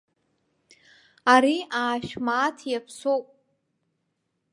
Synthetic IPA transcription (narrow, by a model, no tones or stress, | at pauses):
aɾiaːʃᶣmaːtʰjapʰsowpʼ